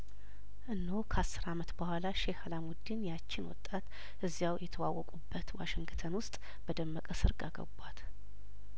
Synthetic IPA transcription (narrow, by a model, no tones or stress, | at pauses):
ʔɨnːokʰəasːɨɾamət̪bəhʷalaʃehalamɔd̪ːinjat͡ʃːɪnwɔ̰t̪ʼːat̪ | ʔɨzːjawjɛt̪ʰəwawːɔkʼubːət̪waʃɪŋɡt̪ʰənwʊst̪ʼ | b̥əd̪əmːəkʼəsɨɾɡaɡə̰bwat̪